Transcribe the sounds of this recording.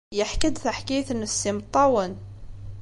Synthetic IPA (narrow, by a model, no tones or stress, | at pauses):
jəħkəd̪θaħkijθənəsːimt̪ˤːɑwən